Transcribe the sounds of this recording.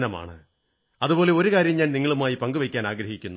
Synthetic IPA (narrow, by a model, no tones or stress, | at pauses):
nɐma̰ːɳɨ | ɐðupo̞ːle̞oɾukaːɾjɐmɲaːniŋːɐɭumaːjipɐŋɡuʋɐjkʲːaːnaːɡɾɐɦikʲːunːu